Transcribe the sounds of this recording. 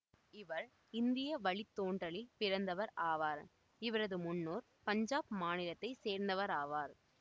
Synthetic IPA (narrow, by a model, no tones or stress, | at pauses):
ɪʋɐɾ | ɪnd̪ɪjɐʋɐɭɪt̪ːoːɳɖrɐɭɪlpɪɾɐnd̪ɐʋɐɾaːʋaːɾ | ɪʋɐɾɐðɯmʊnːoːɾ | pɐɲd͡ʒaːpmaːnɪɾɐt̪ːɐɪseːɾnd̪ɐʋɐɾaːʋaːɾ